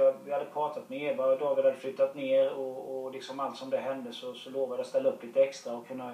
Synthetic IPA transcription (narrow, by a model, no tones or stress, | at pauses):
vɪhad̪ːəpʰɾɑːt̪at̪mɛeːɾbɑːɾd̪ɔvɪad̪ːəflʉːt̪ːat̪neːɾɔːlɪksɔmalt̪sɔmd̪ɛɦɛnd̪əsɔsɔloːvad̪ɛast̪ɛlːaɵpːliːt̪əɛkst̪ɾaɔkʰɵnːa